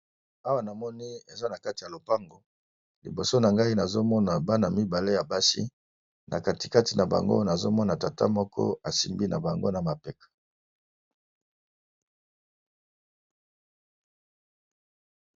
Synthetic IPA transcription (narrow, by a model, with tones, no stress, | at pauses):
a˦wa˦na˨mɔ˦ni˦ḛ˨za˦na˨ka˦ti˨a˨lo˨pa˦ŋɡo˨ | lḭ˨bo˨so˦na˨ŋɡa˦i˦na˨zo˦mɔ˦na˨ba˦na˨mi˦ba˨le˦ja˨ba˦sḭ˦ | nʔa̰˨ka˨ti̥˨ka˦ti˨na˨ba̰˨ŋɡo̰˦na˨zo˦mɔ˦na˨ta˨ta̰˦mɔ˦kʰɔ̰˦a˨si˨mbi˦na̰˨ba˨ŋɡo̰˦na˨ma˨pɛ˦kḁ˨